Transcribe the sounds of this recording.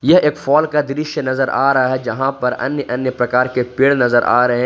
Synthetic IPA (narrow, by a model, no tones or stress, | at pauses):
jɐɦeːkfɔːlkad̪ɪɾɪʃenɐzəɾʔa̰ːɾɐɦaɦɛd͡ʒɐɦãpɐɾɐ̰njəʔɐnjəpɾɐkaːɾkepiːɽnɐzəɾʔa̰ːɾɐɦẽ